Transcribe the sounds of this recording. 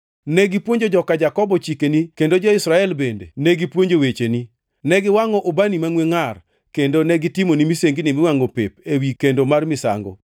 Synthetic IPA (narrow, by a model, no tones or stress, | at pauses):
nɛɡipwoɲd͡ʒod͡ʒɔkad͡ʒakɔbɔt͡ʃikenikendod͡ʒoɪsɾaɛlbendḛnɛɡipwoɲd͡ʒowet͡ʃeni | nɛɡɪwaŋɔʔobanimaŋweŋar | kendonɛɡɪtimonimiseŋɡinimɪwaŋopepewikendomarmɪsa̰ŋɡɔ̰